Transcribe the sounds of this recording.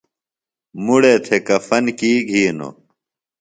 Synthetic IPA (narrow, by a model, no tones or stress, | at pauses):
muɽet̪ʰekɐfɐnkiːɡʱiːno̰